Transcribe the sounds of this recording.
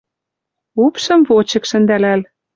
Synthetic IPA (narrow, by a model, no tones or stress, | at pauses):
upʃɤ̆mvot͡ɕɤ̆kʃɘ̆nd̪ælæl